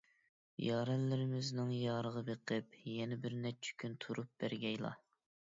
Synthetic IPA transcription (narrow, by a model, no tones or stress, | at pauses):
jɑːɾɛlːɪɾɪmɪznɨŋjɑːɾəʁɑbeqʰɨpjɛnɪbɪɾnɛt͡ʃʰi̥kʲʰynt̪ʰuɾup̚b̥æɾɡʲɛjlˠɑ̰